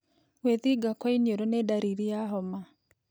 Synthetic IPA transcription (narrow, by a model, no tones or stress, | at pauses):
weðiɡakwainioɾonedaɾiɾijaɦɔma